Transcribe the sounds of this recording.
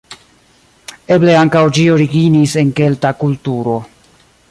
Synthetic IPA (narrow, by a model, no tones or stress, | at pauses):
e̞ble̞aŋkawd͡ʒio̞ɾiɡinise̞nke̞ltakultuɾo̞